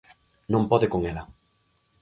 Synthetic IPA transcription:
nõmpɔðɪkoŋela

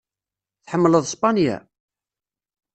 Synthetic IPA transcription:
θħəmːləðˤspɑnjæ̰

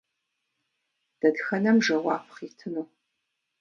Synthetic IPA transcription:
d̥ɐdxɐnɐmʐɐwɑːpʰχitʰɨnuː

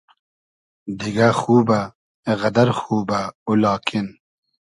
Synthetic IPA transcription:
d̪iɡaxuːba | ɣɐd̪ɐɾxuːbaulɑːkʰin

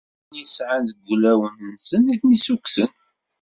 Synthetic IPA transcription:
jəsʕanðəɡʷːlæwənnsəniθnisuksən

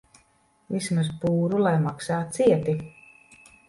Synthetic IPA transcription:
vismazpuːɾulˠajmaksaːt̪siɛt̪i

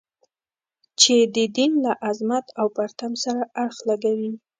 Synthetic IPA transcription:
t͡ʃed̪əd̪inlaʔazmat̪awpaɾt̪amsaɾaaɽxlaɡawi

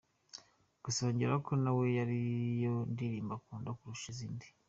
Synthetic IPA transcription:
ɡ̥usoɲɟeɾakʰo̞nawe̞jaɾijondiɾiːmbakuːndokuɾuʃiziːndi

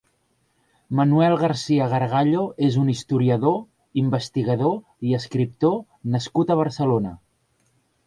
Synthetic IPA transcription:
mənuɛlˠɣəɾsiəɣ̞əɾɣ̞aʎoezunist̪uɾiəðo | imbəst̪iɣəðo | iəskɾip̚t̪o | nəskut̪əβ̞əɾsəlonə

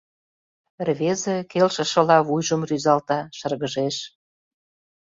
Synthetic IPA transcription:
rβezekelʃə̆ʃɤ̆lɑβujʒə̆mryzɑlt̪ɑʃə̆rɣə̆ʒeʃ

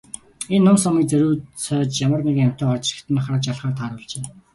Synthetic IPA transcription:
enːʊmsɔmiːk̚t͡sæɾuːt͡sʰœːt͡ɕjamə̆rnikŋjam̥t̪ʰɔːχɔt͡ɕrɪ̥̆kt̪ʰɘ̆nχat͡ɕaɮχaːrt̪ʰaːɾʊːɮt͡ɕeː

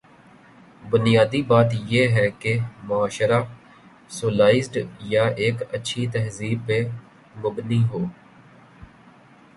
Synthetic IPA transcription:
bʊnɪjaːd̪ibaːt̪jeːɦɛːkemʊaːʃəɾaː | soːlaːɪzɖjaːeːkətːʃʰit̪ɛɦziːb̚pe | mʊbniɦoː

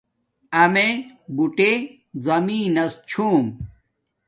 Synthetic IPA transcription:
ɐmebuʈe | zɐmiːnɐst͡ɕʰuːm

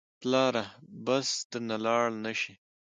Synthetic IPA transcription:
plɑːɾabast̪ənalɑːɭnaʃi

